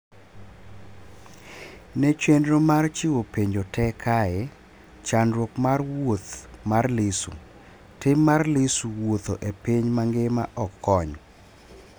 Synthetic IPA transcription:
nɛt͡ʃwendɾomart͡ʃɪwopeɲd͡ʒotʰɛkʰaɛ | t͡ʃanɾwokmarwot̪marlɪsṵ | tɪmarlɪsuwot̪oʔepiɲmaŋɡɪma̰ʔɔkʰːɔɲ

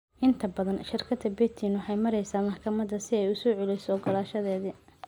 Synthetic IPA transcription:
ʔɪnt̪ʰɐbɐðɐnʃɪrkʰɐd̪ɐbɛt̪ʰinwħɑjmɐɾɛjsaːmɐħkʰɐmɐd̪ɐsɪɛjʊsɔːʕʊlɛjsɔɔɡɐlaːʃɐðɛːðɪ

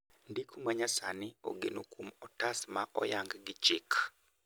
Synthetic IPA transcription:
ndikʰumaɲasanɪo̰ɡenokumɔtasmaʔɔ̰jaŋɡɡɪt͡ʃɪk

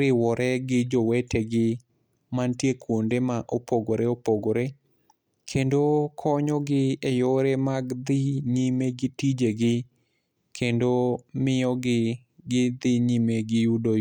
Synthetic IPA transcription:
ɾɪwɔɾɛɡɪd͡ʒowɛteɡɪ | mantjekwondemaʔopoɡoɾeopoɡoɾe | kʰendokʰɔɲɔɡɪejoɾemaɡd̪ɪɲimeɡɪtid͡ʒeɡɪ | kʰendomɪɔɡɪ | ɡɪd̪ɪɲimeɡɪjudo

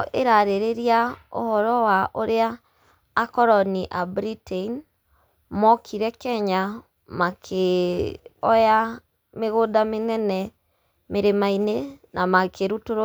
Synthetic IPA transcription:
ʔeɾaɾeɾeɾiao̰hɔɾɔwaʔoɾeaː | kɔɾɔniʔabɾitein | mɔkʰiɾɛkɛɲa | makʰe | ɔja | meɣodamenɛnɛ | meɾemainenʔamakeɾutoɾ

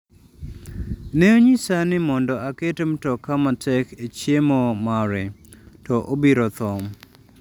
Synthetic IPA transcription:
neoɲɪsanɪmɔndɔaketemtɔkamatɛket͡ʃjemomaɾɛ | tɔʔobiɾɔt̪ɔm

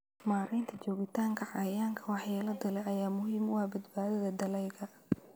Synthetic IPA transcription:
maːɾɛjnt̪ʰɐt͡ʃɔːɣɪt̪ʰaːŋkʰɐʕɑjaːŋkʰɐwɑħjaːlɐd̪ɐlɛʔɐjaːmʊhiːmʊhɐbɐd̪baːðɐðɐd̪ɐlɛjɣɐ

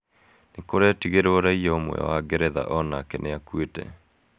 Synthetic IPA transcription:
nekoɾeɛtiɣeɾooɾaijɔomwɛ̰ɔ̰waɡeɾɛða̰ʔɔnakɛneakwetɛ̰

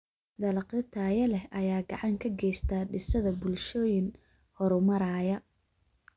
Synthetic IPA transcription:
d̪ɐlqɪt̪ʰaːjɐlɛhʔɐjaːɡɑʕɑŋkʰɐɡɛjst̪ʰaːɖɪsɐðɐbʊlʃɔːjɪn | hɔɾʊmɐɾaːjɐ

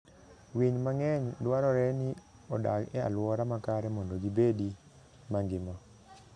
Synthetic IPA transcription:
wiɲmaŋɛɲdwaɾɔɾɛnɪ | ɔda̰ɡɛa̰lwɔɾamakaɾɛmɔndoɡibedi | maŋɡɪmɔ

